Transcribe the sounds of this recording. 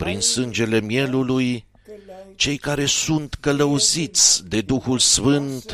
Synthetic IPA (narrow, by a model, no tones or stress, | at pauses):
pɾinsɨnd͡ʒe̞le̞mije̞luluj | t͡ʃe̞jkaɾe̞sunt̪kələuzit̪sʲd̪e̞d̪uxulsfɨnt̪